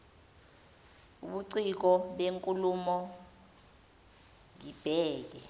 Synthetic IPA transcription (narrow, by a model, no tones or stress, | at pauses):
uɓuǀik̬ɔɓeŋkʼulumɔ | ŋib̥ʱɛːk̬ɛ